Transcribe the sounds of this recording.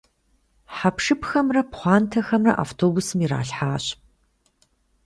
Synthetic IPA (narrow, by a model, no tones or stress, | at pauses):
ħapʂɨpʰxɐmrɐpχʷɑːntʰɐxɐmrɐ̰ʔa̰ːftʰoːbusɨmira̰ːɬħaːɕp